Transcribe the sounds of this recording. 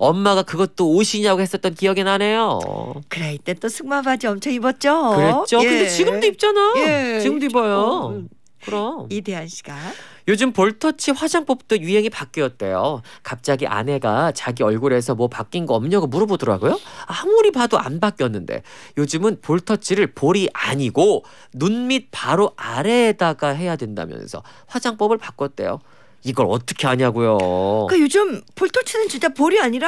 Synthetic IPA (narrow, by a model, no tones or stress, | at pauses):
ʌmːaɡakɯɡʌt͈oːɕʰiɲaɡohe̞s͈ʌt̚t͈ʌnkijʌɡinane̞jo̰kɯɾeit͈et͈osʰuŋmabad͡ʑiʌmt͡ɕʰʌibʌt̚t͡ɕ͈okɯɾʌt͡ɕ͈ʰokɯndet͡ɕiɡɯmdoip̚t͡ɕ͈anajot͡ɕiɡɯmdoibʌjo | kɯɾʌideɦanɕʰi̥ɡ̥ajod͡ʑɯmpoɭtʰʌt͡ɕʰiɸwad͡ʑaŋp͈ʌp̚t͈ojuɦeŋipak͈iʌt̚t͈e̞̰jo̰kap̚t͡ɕ͈aɡiʔa̰ne̞ɡa̰t͡ɕaɡiʌɭɡuɾe̞s̬ʰʌmwʌpak͈inɡʌʌmɲʌɡɯmuɾʌbodʌɾaɡojoahamuɾipadoʔa̰nbak͈jʌnːɯnde̞̰jod͡ʑɯmɯnpoɭtʰʌt͡ɕʰiɾɯɭpoɾiʔaɲiɡo | nunmit̚paɾoaɾe̞daɡaɦe̞jadwe̞nda̰mjʌ̰nsʰʌ̰ | ɸwad͡ʑaŋp͈ʌbɯɭpak͈ʌt̚t͈e̞̰jo̰ | iɡʌɾʌt͈ʌ̥kʰeaɲaɡojok͈ajod͡ʑɯmpoɭtʰʌt͡ɕʰinɯnt͡ɕint͡ɕ͈apoɾiaɲiɾa